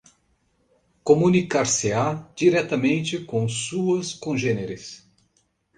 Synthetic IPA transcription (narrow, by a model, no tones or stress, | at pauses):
komũnikaɾsɪad͡ʒiɾɛt̪ɐmẽnt͡ʃɪkõsuɐskõʒẽneɾɪs